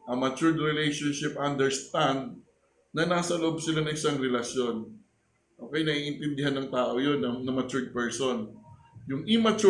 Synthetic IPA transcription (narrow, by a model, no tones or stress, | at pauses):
ʔɐmɐt͡ʃuɹd̪ɾɪlɛjʃonʃɪpʔɐnd̪ɛɹst̪and̪̚ | nɐnaːsɐloʔo̞b̚sɪlanɐŋʔɪsaŋɾɛlɐʃjo̞n | ʔoːkɛjnɐʔiːʔɪnt̪ɪnd̪ɪɦanːɐŋt̪aːʔo̞jo̞nːɐnɐmɐt͡ʃuɹd̪̚pɛɹson | jʊŋʔimɐt͡ʃu